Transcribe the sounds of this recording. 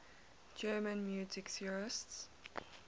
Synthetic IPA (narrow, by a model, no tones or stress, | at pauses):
d͡ʒɜːmə̃nmjuːzɪksiɹɪsts